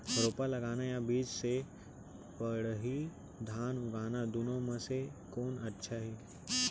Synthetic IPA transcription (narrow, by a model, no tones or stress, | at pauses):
ɾoːpalɐɡaːnajabiːd͡ʒse | pəɽɦi | d̪ʱaːnʊɡaːnad̪ʊnõmẽsekoːnɐtːʃʰaɦiː